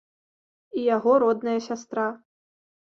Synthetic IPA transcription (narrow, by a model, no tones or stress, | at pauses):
ijaɣɔɾɔd̪nɐjɐsʲas̬t̪ɾa